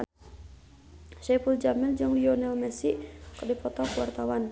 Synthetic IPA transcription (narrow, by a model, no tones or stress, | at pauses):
sɛpuld͡ʒamɪld͡ʒəŋliɔnɛlmɛsiʔkərdipɔt̪ɔkuwart̪awan